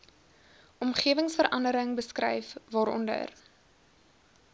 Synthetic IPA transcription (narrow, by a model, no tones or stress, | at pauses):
ʔɔmχiəvəŋsfəɾʔɐndəɾəŋbəskrɛ̰jfvɑːɾɔ̰ndə̰r